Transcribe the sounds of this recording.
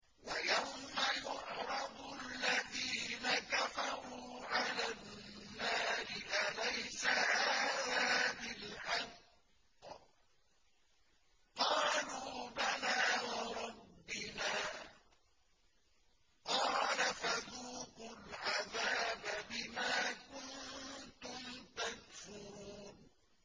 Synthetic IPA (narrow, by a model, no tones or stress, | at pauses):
wajawmajʊʕɾˤɑd̪ˤʔalːaðiːnakafɑɾˤuːʕalaː | aːɾɪʔalajsahaːðaːðɪlħɑd | qɑːluːbanaːwɑɾˤɑbːɪnaː | qɑːlafaðuːqʊlʕaðaːbabɪmaːkʊnt̪ʊmt̪akfʊɾuːn